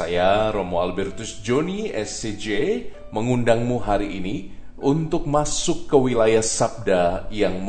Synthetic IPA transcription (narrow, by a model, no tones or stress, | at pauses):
ajaɾomoalbɛrt̪ʊsd͡ʒoniɛsed͡ʒe | məŋundaŋmuɦaɾiʔini | ʔunt̪ʊk̚masʊkːəwilajahsap̚dajaŋm